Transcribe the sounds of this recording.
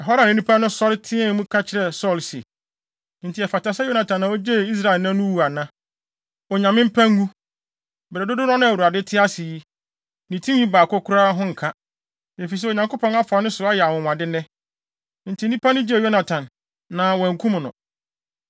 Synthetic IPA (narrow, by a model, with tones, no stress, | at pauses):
ɛ˨ɦɔ˦ɾã˨nɪ̃˦nĩ˦pʰa˦nʊ̃˦sɔ˦ltʰɪ̃˦ɛ̃˦˨˦mũ˦kʰa˦t͡ɕʰɪ˦ɾɛ˨sɔ˦˨ls | n̩˨tʰɪ˨ɛ˨fa˨ta˨sɛ˦jo˦nã˨tʰã˨nːã˨o˦d͡ʑe˦˨i˦s̬ɾa˦˨ɪ˨lnã˦nʊ̃˦wu˨a˨nã˦ | ɔ˨ɲã˨mɪ̃˦m̩˦pʰã˦ŋ˦ɡũ˦ | bɛ˨ɾɛ˨dʊ˦dʊ˦nɔ̃˦nʊ̃˦a˨wu˨ɾa˨dɪ˦tʰɪ˦a˦si˨ji˦ | nĩ˨tʰĩ˦ɲĩ˦baː˨kʰɔ˦kʰʊ˦ɾaː˦ɦʊ̃˦ŋ̩˨kʰa˦ | me˨fi˨s̬ɛ˦o˨ɲã˨ŋko˦pʰɔ̃˦na˦fa˨nʊ̃˦sʊ˨a˦jɛ˨a˨wʊ̃˨m˨ã˨dɪ˦nɛ̃˦ | n̩˨tʰi˨˦nĩ˦pʰa˦nʊ̃˦d͡ʑjo˦na˨tʰã˨nː | ã˨wɔ̃˨ŋ̩˨kʰũ˦m̃˨nʊ̰̃˨